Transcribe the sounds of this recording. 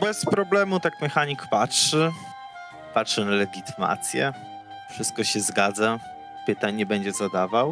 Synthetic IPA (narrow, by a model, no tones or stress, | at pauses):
bɛspɾɔblɛmut̪akmɛxaɲikpatʂɘ | pat͡ʂʂɘnalɛɡʲit̪ʰɘma̰t̪sʲjɛ̰ | fʂɘst̪̚kɔɕɛzɡad̪za | pɘt̪aɲːɲɛbɛɲd͡ʑɛzad̪avaw